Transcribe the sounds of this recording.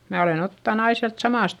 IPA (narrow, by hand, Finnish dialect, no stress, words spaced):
mæ olen otːɑn ɑi siælt sɑmɑˑst